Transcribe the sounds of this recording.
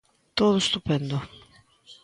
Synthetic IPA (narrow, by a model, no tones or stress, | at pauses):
t̪oðost̪upɛnd̪o